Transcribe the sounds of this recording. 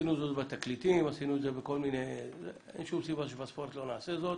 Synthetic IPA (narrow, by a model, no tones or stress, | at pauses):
inuzot̪bat̪aklit̪imasinutzebekolminez | ḛnʃumsibaʃ̬ebaspoɾt̪lonaːsezot̪